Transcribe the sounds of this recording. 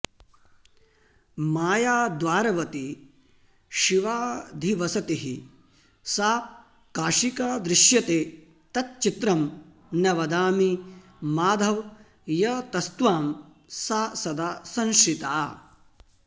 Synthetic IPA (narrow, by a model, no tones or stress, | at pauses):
maːjaːd̪ʋaːɾɐʋɐt̪i | ʃiʋaːd̪ʱiʋɐsɐt̪iɦi | saː | kaːʃikaːd̪ɾɪʃjɐt̪eː | t̪ɐt̪̚t͡ʃit̪ɾɐm | nɐʋɐd̪aːmi | maːd̪ʱɐʋ | jɐt̪ɐst̪ʋaːm | saːsɐd̪aːsɐ̃nʃɾit̪aː